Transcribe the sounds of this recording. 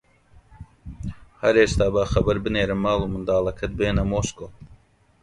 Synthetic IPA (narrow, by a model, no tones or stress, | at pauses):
hɐɾeːst̪aːbaːxɐbɐɾbɨneːɾɨmːaːluːmɨnd̪aːlˠɐkʰɐt̪̚beːnɐmoːskoː